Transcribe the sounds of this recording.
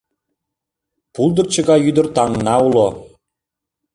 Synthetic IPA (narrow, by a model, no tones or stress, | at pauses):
pulˠd̪ə̆rt͡ɕə̆ɡɑjyd̪ə̆rt̪ɑŋnɑulˠo